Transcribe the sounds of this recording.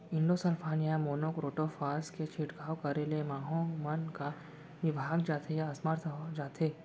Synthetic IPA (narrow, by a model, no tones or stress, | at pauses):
ɪ̃ɳɖosəlpʰaːnijamoːnokɾoːʈofaːsket͡ʃʰiʈɡʰaːwkɐɾelemaːɦõmɐnka | nɪbʱaːɡd͡ʒaːt̪ʰejaɐsməɾt̪ʰd͡ʒaːt̪ʰeː